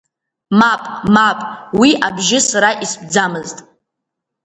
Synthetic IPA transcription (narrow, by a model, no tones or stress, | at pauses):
mapʼmapʼwiʔabʒɪsaɾaʔisb̚d͡zamɨztʼ